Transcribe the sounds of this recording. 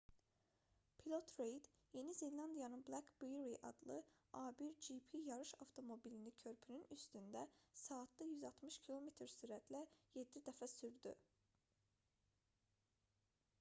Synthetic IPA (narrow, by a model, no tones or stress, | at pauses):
pʰilot̪ʰɾejd̪je̞nizinlʲˠɑnd̪ijɑnɯnblˠækbijɾiʔɑ̰d̪lˠɯɑːbiɾd͡ʒipʰijɑɾɯʃɑft̪ʰo̞mo̞bilinicʰø̞ɾpʰynynyst̪ynd̪æsɑːt̪d̪ɑjyzɑlˠt̪ʰmɯʃcʰilʲˠo̞met̪ʰɾsyɾæt̪ʰlæje̞d̪ːid̪æfæsyɾd̪y